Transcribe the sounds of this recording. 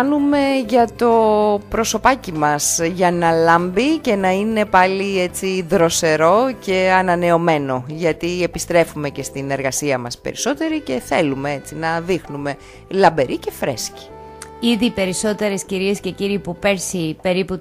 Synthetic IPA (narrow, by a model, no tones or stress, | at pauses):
nume̞ʝɐt̪o̞pɾo̞so̞pɐcimɐsʝɐnɐlɐmbice̞nɐine̞pɐliet͡siðɾo̞se̞ɾo̞ce̞ɐnɐne̞o̞me̞no̞ʝɐt̪ie̞pist̪ɾe̞fume̞ce̞st̪ine̞ɾɣɐsiɐmɐspe̞̰ɾiso̞t̪e̞ɾice̞θe̞lume̞et͡sinɐðixnume̞ | lɐmbe̞ɾice̞fɾe̞̰sci̥ | iðipe̞ɾiso̞t̪e̞ɾe̞sciɾiesce̞ciɾipupe̞ɾsipe̞ɾipu